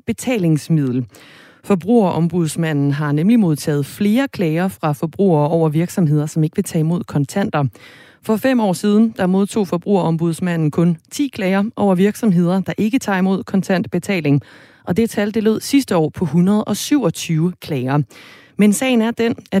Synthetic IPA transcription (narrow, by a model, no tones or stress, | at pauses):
b̥e̝t͡sʰɛ̰ːle̝ŋsmið̰ˠl̩ | fɒ̽b̥ʁṵːɐʔɒ̽mb̥uð̞̰ˠsmæn̰n̩ɦɑ̈nemlimo̝ð̞ˠt͡sʰɛ̰ːð̞̩ˠfle̝ːɐkʰlɛɪɐfʁɑ̈fɒ̽b̥ʁṵːɐːɒʊ̰ɐʋiɐɡ̥sɒ̽mɦe̝ð̰ˠɐsɒ̽me̝ɡ̥əʋe̝t͡sʰɛ̰imo̝ð̰ˠkʰɒ̽nt͡sʰæn̰d̥ɐ | fɒ̽fem̰ɒ̰ːsiːð̞ˠn̩d̥ɑ̈mo̝ð̞ˠt͡sʰo̝̰ːfɒ̽b̥ʁṵɐɒ̽mb̥uð̞ˠsmæn̰n̩kʰɔ̽nt͡sʰḭːkʰlɛɪɐʔɒʊ̰ɐʋiɐɡ̥sɒ̽mɦe̝ð̰ˠɐd̥ɑ̈ʔe̝ɡ̥ət͡sʰɑ̰̈ːimo̝ð̞̰ˠkʰɒ̽nt͡sʰæn̰d̥̚b̥e̝t͡sʰɛ̰ːle̝ŋ | ʔɒ̽d̥e̝t͡sʰæld̥e̝lo̝ð̞̰ˠsisd̥əɒ̰ːpʰɒ̽ɦunʁɐð̞ˠʔɒ̽syʊ̰ɒ̽t͡sʰyːʊəkʰlɛɪɐ | mensɛ̰ɪn̩æɐd̥enæ